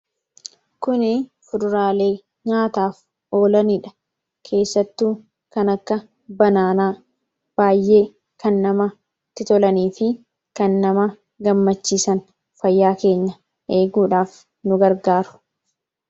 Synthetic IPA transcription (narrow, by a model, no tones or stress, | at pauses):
kʊnɪfʊᶑʊɾaːle̞ː | ɲaːt̪aːf | o̞ːlɐniᶑɐ̥ | kʰe̞ːsːɐt̪ːuː | kɐnɐkːɐ | bɐnaːnaː | b̥aːjːe̞ː | kɐnːɐmɐ | t̪ɪt̪ɔlɐniːfɪ | kɐnːɐmɐ | ɡɐmːɐt͡ʃːiːsɐn | fɐjːaːke̞ːɲːɐ | ʔe̞ːɡuːᶑaːf | nʊɡɐɾɡaːɾʊ̥